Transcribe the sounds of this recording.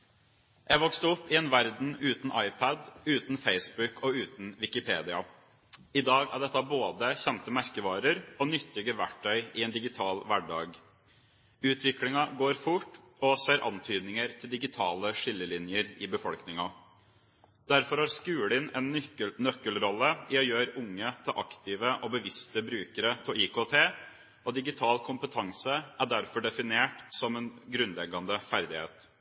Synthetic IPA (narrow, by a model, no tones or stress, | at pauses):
jæɪʋɔkst̪ɔpːɪeːnʋæɾd̪n̩ʉːt̪n̩ʔɑɪpʰæd̪ʉːt̪n̩feɪsbʉkɔʉːt̪n̩ʋɪkɪpʰeːd̪ɪɑ | ɪd̪ɑːɡæ̰ɖɛt̪ːəɑboːd̪əçɛnt̪əmæɾkəʋɑːɾəɾɔnʏt̪ːɪɡəʋæʈʰːœʏʔɪɛːnd̪ɪɡɪt̪ʰɑːlʋæɖɑ̰ːɡ | ʉːt̪ʰʋɪklɪŋɑɡoːɾfʊʈː | ɔseːɾʔɑ̰nt̪ʰyːd̪nɪŋəɾt̪ʰɪld̪ɪɡɪt̪ʰɑːləʂɪlːəlɪnjəɾɪbəfɔlknɪŋɑ | d̪æɾfɔɾhɑɾskʉːlɪnɛnnœkːəlɾɔlːəɪɔjøːɾʊŋːət̪ʰlʔɑ̰kt̪ɪʋəʔɔbəʋɪst̪əbɾʉːkəɾət̪ʰɛlɪːkot̪ʰeː | ɔd̪ɪɡɪt̪ʰɑːlkʰʊmpət̪ʰɑŋsəʔæɖæɾfɔɖɛfɪneːʈsɔmɛnɡɾʉnlɛɡɑnd̪əfæɾd̪ɪhḛːt̪